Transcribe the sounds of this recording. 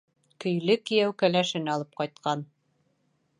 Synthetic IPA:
kɵ̆jlɘkĭjæwkælæʃɘ̆nɑlˠɤp̚qɑjt̪̚qɑn

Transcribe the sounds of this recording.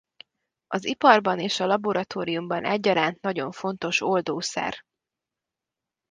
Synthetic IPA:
ɒzipɒrbɒneːʃɒlɒbo̞ɾɒt̪oːɾijumbɒnʔɛɟːɒɾaːnt̪nɒɟo̞ɱfo̞nt̪o̞ʃo̞ld̪oːsɛ̰r

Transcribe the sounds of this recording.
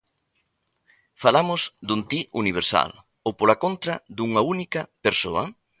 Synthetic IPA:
falamʊsd̪unt̪iʔuniβ̞eɾsa̰l | opolakont̪ɾɐðuŋɐunikɐpeɾso̰ɐ̰

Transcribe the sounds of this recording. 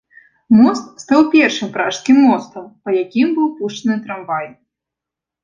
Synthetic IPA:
mɔst̪st̪awpʲɛrʂɨmpɾaʂskʲimːɔst̪ɐmpɐjakʲimbɨwpuʂt͡ʂɐnɨt̪ɾambaj

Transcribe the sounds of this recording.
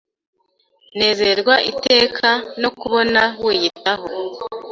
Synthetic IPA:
ne̞ːzeɾɡwaʔite̞ːkʰano̞kuβo̞naweːjitaɦo

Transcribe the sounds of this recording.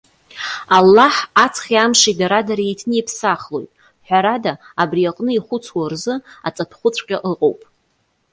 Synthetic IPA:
alːaħat͡sʰχʲiamʂidaɾadaɾejtʰnɨipʰsaχlo̞̰jtʼ | ħʷᶣaɾadaː | briaqʼnɨiχʷʊt͡sʰwarzɨa̰t͡sʼatʰχʷʊt͡sʷʰʼqʲʼaʔɨqʼowpʼ

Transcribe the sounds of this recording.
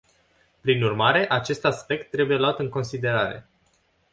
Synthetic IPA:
pɾinurmaɾe̞ʔat͡ʃe̞st̪aspe̞k̚t̪ːɾe̞buje̞loat̪ɨŋko̞nsid̪e̞ɾaɾe̞̰

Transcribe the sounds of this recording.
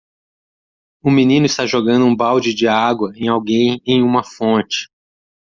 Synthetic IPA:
ʊminĩnʊist̪aʒoɡɐ̃nd̪ʊũbawd͡ʒɪd͡ʒɪaɡwɐẽj̃awɡẽj̃ẽj̃ũmɐfõnt͡ʃɪ̥

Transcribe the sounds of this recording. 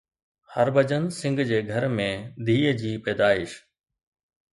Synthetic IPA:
həɾbʱəd͡ʑənsɪ̃ŋɡʱd͡ʑeːɡʱɐɾmẽd̪ʱiːəd͡ʑiːpɛːd̪aːɪʃ

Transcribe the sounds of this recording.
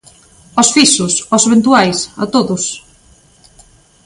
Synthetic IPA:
ɔsfisʊsɔseβent̪uajsa̰t̪oðʊs

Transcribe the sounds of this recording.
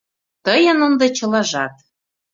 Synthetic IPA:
t̪ɤjɤ̆nond̪ɤ̆t͡ɕɤ̆lɑʒɑt̪̚

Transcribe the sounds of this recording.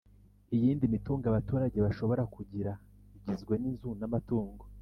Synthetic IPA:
ijiːndimituːŋɡaβatuːɾaɟe̞βaʃo̞βo̞ɾakuɟiɾa | iɟizɡwe̞ninzunamatuːŋɡo

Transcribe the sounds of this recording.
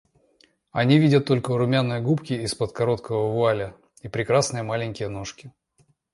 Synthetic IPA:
ɐnʲivʲidʲət̪ːo̞lʲkəɾʊmʲanːɨjəɡupkʲɪɪspət̪kɐɾo̞t̪kəvəvʊalʲə | ipɾʲɪkɾasnɨjəmalʲɪnʲkʲɪjəno̞ʂkʲɪ

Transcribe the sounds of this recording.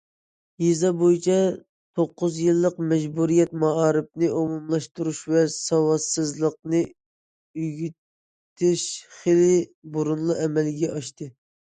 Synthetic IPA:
jizɑbojit͡ʃʰɑ | t̪ʰoqːʊzjɨlˠːəqmɛd͡ʒbuɾijɛt̪̚mɑɑːɾɨp̚nɨʔomumlˠɑʃt̪uɾuʃvɛsɑwɑsɨzlˠəq̚nɨ | yɡʲi | t̪ʰːɪʃχelɪbuɾunlˠɨʔɛmɛlɡʲɛʔɑʃt̪ɨ

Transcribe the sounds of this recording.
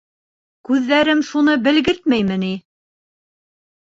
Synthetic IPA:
kʉðːæɾɘmʃunɤbɘ̆lɡɘɾt̪mæjmɘni

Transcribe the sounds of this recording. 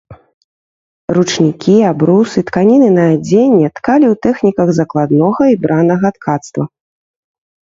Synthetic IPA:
rut͡ʂnʲikʲiabɾusɨt̪kanʲinɨnɐad͡zʲenʲːɛt̪kalʲiwt̪ɛxnʲikɐɣzɐklˠad̪nɔɣɐibɾʔanɐɣɐt̪kʰat̪st̪vɐ

